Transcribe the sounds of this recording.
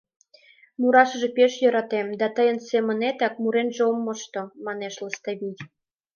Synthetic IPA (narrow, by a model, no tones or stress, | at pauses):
muɾɑʃə̆ʒĕpeʃjɤ̆ɾɑt̪emd̪ɑt̪əjə̆nsemə̆net̪ɑk̚muɾenʒeomːə̆ʃt̪omɑneʃləst̪ɑβijʲ